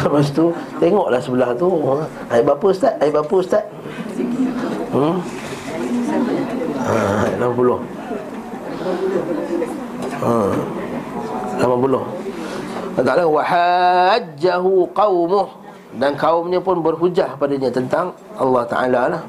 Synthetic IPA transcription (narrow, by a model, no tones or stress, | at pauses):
əpas̬t̪ut̪eŋɔʔlahsəbəlaht̪u | ajʔbapəst̪aʔ̪ajʔbapəst̪at̪̚ | aaʔlamapulʊh | ə | lamapulʊh | t̪aalawahad͡ʒːaɦuqɑwmʊh | dankaʊmɲəpʊnbərɦud͡ʒahkəpadaɲãt̪ənt̪aŋ | ɑlːɑht̪a̰ʔa̰lalah